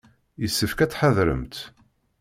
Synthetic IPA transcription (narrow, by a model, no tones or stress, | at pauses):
jəsːəfkæt͡sːħəðɾə̰mt̪